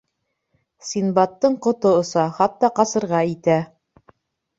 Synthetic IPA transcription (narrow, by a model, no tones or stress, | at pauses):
sinbɑt̪ːɤɴqŏt̪oŏsɑχɑt̪ːɑqɑsɤ̆ɾʁɑit̪æ